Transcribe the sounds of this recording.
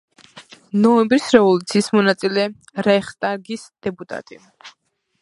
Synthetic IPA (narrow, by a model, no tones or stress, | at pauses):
nɔɛmbɾisɾɛvɔlˠut̪sʰiːsmɔnat̪sʼilɛ | ɾɛχt̪ʼaɡisd̪̥ɛpʼut̪ʼa̰t̪ʼi